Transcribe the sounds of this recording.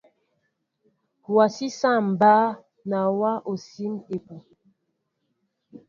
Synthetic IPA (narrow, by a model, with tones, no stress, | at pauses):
wa˨si˦sa˦˨m˨ba˦ | na˨wa˦ʔo˨si˦me˨pu˨